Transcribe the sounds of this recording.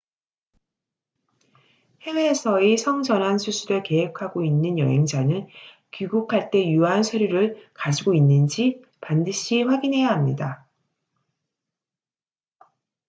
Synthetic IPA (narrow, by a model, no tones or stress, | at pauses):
he̞we̞ːsʰʌisʰʌŋd͡ʑʌnɦansʰusʰuɾɯɭke̞ɦekʰaɡoinːɯnjʌ̰ɦe̞ŋd͡ʑanɯn | kuɡukʰaɭt͈e̞juansʰʌɾjuɾɯɭkad͡ʑiɡoinːɯnd͡ʑi | pandɯɕʰiɸwaɡinɦe̞jaɦamɲida